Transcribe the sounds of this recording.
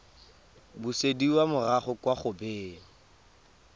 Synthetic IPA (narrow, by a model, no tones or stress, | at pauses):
busediwamʊraχʊkwaχʊbeːŋ̩